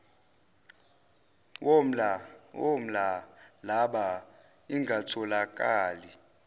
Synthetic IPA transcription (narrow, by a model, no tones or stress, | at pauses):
wom̩lawom̩lalaɓa | iŋɡʱatʰɔlak̬ʼaːli